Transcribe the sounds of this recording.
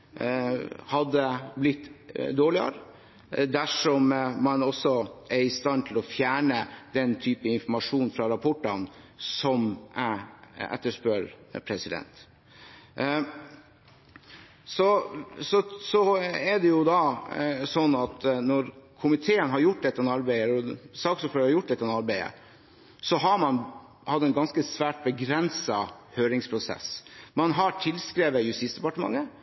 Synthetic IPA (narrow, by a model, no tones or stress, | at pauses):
hɑd̪ːəblɪt̪ːd̪oːɭɪə̰ɾə | d̪æʂɔmmɑnɔsːɔʔɛɾɪst̪ɑnt̪ʰɪlɔfjæːɳəd̪̥ɛnt̪ʰyːpəɪnfɔmɑʂuːnfɾɑɾɑpʰɔʈːɑnsɔmʔæɛ̰t̪ːəʂpøɾpʰɾɛsɪd̪ɛ̰nt̪ | sɔsɔsɔɛd̪ɛjʊd̪ɑsɔnːɑt̪nɔɾkʰʊmɪt̪ʰeːənɦɑɾjʊʈ̚ːd̪ɛt̪ːɛnɑɾbæɪəɔsɑːksɔføɾhɑɾjʊʈ̚ːd̪ɛt̪ːɛnɑɾbæɪə̰ | sɔɦɑmɑn | hɑd̪ːɛɪnɡɑnskəsʋæːʈ̚bəɡɾɛnsɑhøːɾɪŋspʰɾʊsɛ̰smɑnɦɑʈʰɪlskɾeːʋəjʉst̪iːsd̪ɛpɑʈəmɑ̰ŋːə